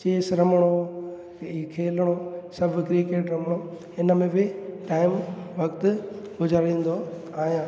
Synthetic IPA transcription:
t͡ɕeːsɾɐməɽ̃o | kʰeːləɽ̃osɐbʱkɾiːkeːʈɾɐməɽ̃o | ɪnəmẽbɪʈaːɪmʋɐkt̪̆ | ɡʊzaːɾĩːn̆d̪o | aːɦjãː

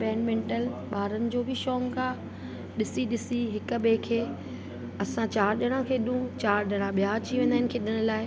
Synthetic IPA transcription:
pɛːnmẽːɳʈəlɓaːɾənɪ̆d͡ʑoːbʱɪʃɔːŋkaː | ɗɪsiɗɪsiɦɪk̆beːkʰeː | ɐsãt͡ɕaːɾɗɐɽ̃ãkʰeːɗũt͡ɕaːɾɗɐɽ̃ãɓijad͡ʑiʋẽːnd̪aɦɪnɪkʰeːɗɪɽ̃ʊ̆laːɪ

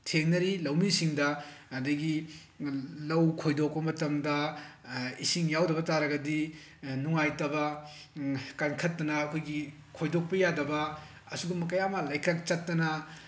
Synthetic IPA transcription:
tʰeŋnɐɾilɐwmisiŋdɐɐdɐɡi | lɐwkʰojdok̚pɐmɐtɐmdɐ | isiŋjawdɐβɐtaɾɐɡɐdi | nuŋajtɐbɐ | kankʰɐtːɐnɐːkʰojɡi | kʰojdok̚pɐjadɐbɐ | ɐsuɡumɐkɐjamɐlajkɾak̚t͡ʃɐtːɐnɐ

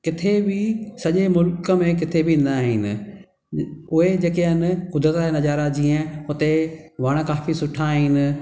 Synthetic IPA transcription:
kɪt̪ʰebɪsɐʄemʊlkəmẽk̬ɪt̪ʰebʱɪ̃nd̪aːɦɪnɪ̆ | ʊɦed͡ʑeːkeənɪkʊd̪ɾət̪enɐʄaːɾad͡ʑiːə̃ʊt̪eʋaɽ̃əkaːfisʊʈʰaːɦɪnɪ̆

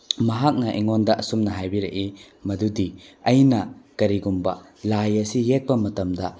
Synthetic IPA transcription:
mɐɦak̚nɐʔiŋondɐʔɐsumnɐɦajbiɾɐ̰ʔi | mɐdudiɐjnɐkɐɾiɡumbɐ̰ | lajɐsijek̚pɐmɐtɐmdɐ

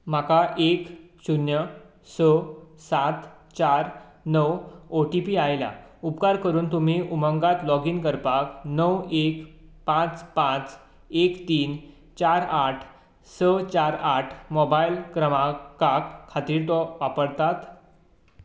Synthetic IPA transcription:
m̤akaʔek | sunjə | səsat̪ | t͡ɕaɾ | nəwoʈipiːajla̰upkaɾkəɾuːnt̪um̤iːʔum̤əŋɡat̪lɔɡiːnkəɾpaknəwekpãt͡spãt͡s | ekt̪iːn | t͡ɕaɾaʈʰ | sət͡ɕaɾaʈʰmɔbailkɾəmakakʰːat̪iːɾt̪ɔʋapəɽt̪at̪

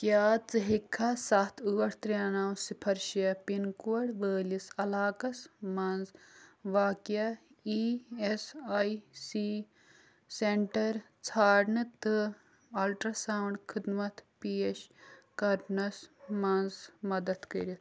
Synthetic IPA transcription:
kjaːt͡sɨɦikʰːasɐt̪ʰuːɐɽt̪ɾʲjaːnaːwsipʰɐɾʃijɐpinkuɐɽʋəːlisɐlaːkɐsmɐnzʋaːkjaiesajsi | seɳʈɐɾ | t͡sʰaːɽɳɨt̪ɨ | ɐlʈɾɐsaːwɳɖkʰid̪mɐt̪piːeʃkɐɾnɐsmɐnzmɐd̪ɐt̪kɐɾit̪

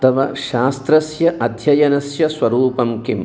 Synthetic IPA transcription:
t̪ɐʋɐʃaːst̪ɾɐsjɐʔɐd̪ʱjɐjɐnɐsjɐsʋɐɾuːpɐmkim

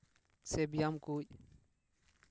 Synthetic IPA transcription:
sɛbjamkuːɟ

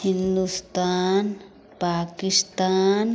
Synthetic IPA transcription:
hɪnd̪ust̪aːn | paːkɪst̪aːn

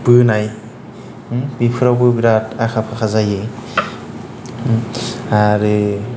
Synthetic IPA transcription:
b̥ɯnaj | bipʰɯɾawbɯbiɾatakʰapʰakʰazaje | aɾɯ

